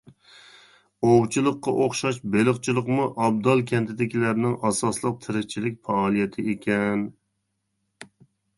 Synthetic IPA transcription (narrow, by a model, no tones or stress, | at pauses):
owt͡ʃʰɨlˠəqːɑʔoχʃɑʃbelˠɨχt͡ʃʰilˠəqmuʔɑb̚d̪ɑlˠkʲʰɛnt̪ʰɪd̪ɪkʲʰilæɾnɪŋɑsɑslˠəq̚t̪ʰɪɾɪk̚ʲt͡ʃʰilɪk̚ʲfɑːlˠijɛt̪ʰɪekʲʰɛn